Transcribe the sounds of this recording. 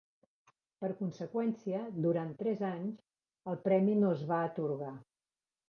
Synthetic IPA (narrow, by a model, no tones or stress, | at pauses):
pəɾkunsəkwɛnsiəd̪uɾant̪ːɾɛzaɲz | əlˠpɾɛminoəzβaət̪uɾɣa